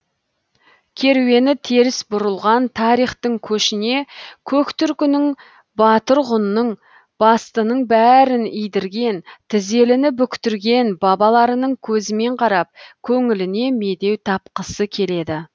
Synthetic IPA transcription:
kʲʰe̞ɾwe̞nɪt̪ʰeɾɪsbʊɾəlˠʁɑnt̪ʰɑɾijχt̪əɴkʲʰɵʃɪne̞kʲʰɵkt̪ʏɾkʲɪnɪŋ | bɑt̪əɾʁʊnːəɴ | b̥ɑst̪ənəɴbæɾɪnijd̪ɪɾɡʲe̞nt̪ʰɪze̞lɪnɪbʏkʲt̪ʏɾɡʲe̞nbɑbɑlˠɑɾənəɴkʲʰɵzɪme̞ɴqʰɑɾɑp̚kʲʰɵŋɪlɪne̞me̞d̪e̞wt̪ʰɑpqəsəkʲʰe̞le̞d̪ɪ

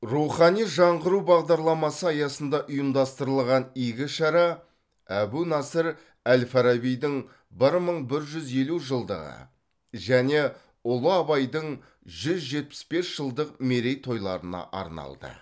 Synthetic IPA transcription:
ruχɑnijʒɑɴʁəɾuwbɑʁd̪ɑɾlˠɑmɑsəɑjɑsənd̪ɑʔʊjəmd̪ɑst̪əɾəlˠʁɑnijɡʲɪʃɑɾɑ | æbunɑsəɾ | ælfɑɾabijd̪ɪŋ | bɪɾməɴbɪɾʒʏze̞luʒəlˠd̪ə̰ʁə̰ | ʒæne̞ | ʊlˠəɑbɑjd̪əɴ | ʒʏzʒe̞t̪̚pɪ̥sbe̞sʒ̥əlˠd̪əqme̞ɾe̞jt̪ʰo̞jlˠɑ̰ɾənɑ̰ʔɑ̰ɾnɑ̰lˠd̪ə̰

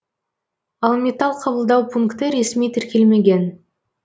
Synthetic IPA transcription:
ɑlˠmʲet̪ɑlˠqʰɑbəlˠd̪ɑwpʰuŋkt̪əɾe̞smijt̪ʰɪɾkʲe̞lme̞ɡʲe̞n

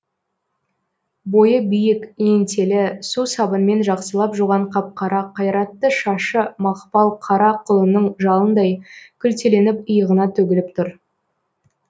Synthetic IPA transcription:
bo̞jəbijɪke̞nt̪ʰe̞lɪsusɑbənme̞nʒɑqsəlˠɑpʒuʁɑɴqʰɑp̚qʰɑɾɑqʰɑjɾɑt̪ːəʃɑʃəmɑqpɑlˠqʰɑɾɑqʰʊlˠənəɴʒɑlˠənd̪ɑjkʲʰʏlt̪ele̞nɪpəjəʁənɑt̪ʰɵɡʲɪlɪp̚t̪ʰʊɾ

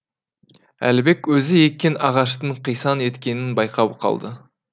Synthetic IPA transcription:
æ̰lɪbe̞kʲwɵzɪje̞kʲːe̞nɑʁɑʃ̬t̪əɴqʰijsɑne̞t̪kʲe̞nɪnbɑjqɑwqʰɑ̰lˠd̪ə

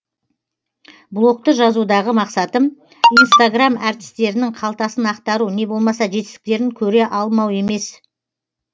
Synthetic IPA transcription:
blˠo̞k̚t̪əʒɑzud̪ɑʁəmɑqsɑt̪əm | ijnst̪aɡramɑɾt̪ɪ̥st̪e̞ɾɪnɪŋqʰɑlˠt̪ɑsənɑqt̪ɑɾune̞bo̞lˠmɑsɑʒe̞t̪ɪst̪ɪk̚ʲt̪e̞ɾɪŋkʲʰɵɾe̞ʔɑlˠmɑwe̞me̞s

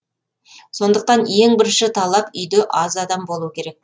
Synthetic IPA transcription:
so̞nd̪əq̚t̪ɑnje̞ŋbɪɾɪnʃɪt̪ʰɑlˠɑpʏjd̪eʔɑzɑd̪ɑmbo̞lˠuwəkʲʰe̞ɾe̞k̚

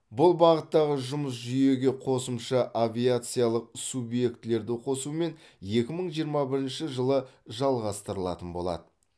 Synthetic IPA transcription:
bʊlˠbɑʁət̪ːɑʁəʒʊməs̬ʒʏje̞ɡʲe̞qʰo̞səmʃɑʔavʲijat̪sɨijalˠəq̚subje̞k̚t̪ɪle̞ɾd̪ɪqʰo̞sume̞n | je̞kʲɪməɴʒijəɾmɑbɪɾɪnʃɪʒəlˠəʒɑlˠʁɑst̪əɾəlˠɑ̰t̪ənbo̞lˠɑ̰d̪ə

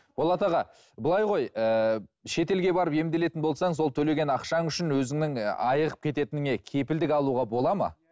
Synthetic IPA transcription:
b̥o̞lˠɑt̪ɑʁɑ | bəlˠɑjʁo̞jəʃe̞t̪e̞lɡʲe̞bɑɾəpe̞md̪e̞le̞t̪ɪnbo̞lˠsɑɴzwo̞lˠt̪ʰɵle̞ɡʲe̞nɑqʃɑŋʏʃɪnwɵzɪŋnɪŋɑjəʁəp̚kʲʰe̞t̪e̞t̪ɪnɪŋe̞kʲʰe̞pɪld̪ɪkɑlˠuʁɑbo̞lˠɑmɑ̰

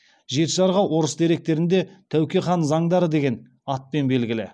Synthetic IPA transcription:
ʒe̞t̪ʒɑɾʁɑwʔo̞ɾəsd̪e̞ɾe̞k̚t̪e̞ɾɪnd̪e̞t̪ʰæwkʲeχɑnzɑŋd̪ɑɾəd̪e̞ɡʲe̞n | ɑt̪̚pe̞nbe̞lɡʲɪlɪ

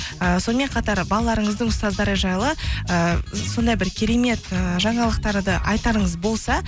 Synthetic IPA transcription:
əso̞nəme̞ɴqʰɑt̪ɑɾbɑlˠɑlˠɑɾəɴəzd̪əɴʊst̪ɑzd̪ɑɾəʒɑjlˠəəso̞nd̪ɑjbɪɾkʲʰe̞ɾeme̞t̪əʒɑɴɑlˠəqt̪ɑɾd̪əʔɑjt̪ɑɾəɴəzbo̞lˠsɑ

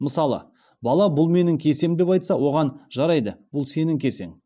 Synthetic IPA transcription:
məsɑlˠə̰ | bɑlˠɑbʊlˠme̞nɪŋkʲʰe̞se̞md̪e̞pɑjt̪sɑwo̞ʁɑnʒɑɾɑjd̪əb̥ʊlˠse̞nɪŋkʲe̞se̞̰ŋ

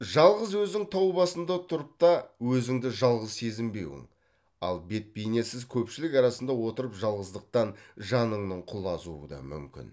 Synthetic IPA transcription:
ʒɑlˠʁəzwɵzɪŋt̪ʰɑwbɑsənd̪ɑt̪ʰʊɾəp̚t̪ɑwɵzɪŋd̪ɪʒɑlˠʁəzse̞zɪmbe̞wɪ̰ŋ | ɑ̰lˠbe̞t̪̚bejne̞sɪzkʲʰɵpʃɪlɪkɑɾɑsənd̪ɑwo̞t̪əɾəpʒɑlˠʁəzd̪əq̚t̪ɑnʒɑnəɴnəɴqʰʊlˠɑzuə̰d̪ɑ̰mʏ̰mkʲɪ̰n

